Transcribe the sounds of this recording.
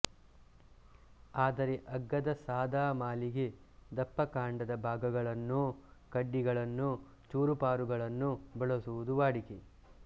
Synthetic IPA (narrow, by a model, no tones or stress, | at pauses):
aːd̪ɐɾeʔɐɡːɐd̪ɐsaːd̪aːmaːliɡe | d̪ɐpːɐkaːɳɖɐd̪ɐbʱaːɡɐɡɐɭɐnːukɐɖːiɡɐɭɐnːu | t͡ʃuːɾupaːɾuɡɐɭɐnːubɐɭɐsuʋud̪uʋaːɽike